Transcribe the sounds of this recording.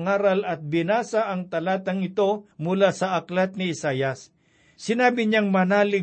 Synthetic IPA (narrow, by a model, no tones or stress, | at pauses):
ŋaːɾɐlɐt̪̚bɪnaːsaʔɐŋt̪ɐlaːt̪ɐŋɪt̪o̞mʊlaːsɐʔɐklat̪̚nɪɪsaːjɐsː | ɪnaːbɪɲaŋmɐnaːlɪ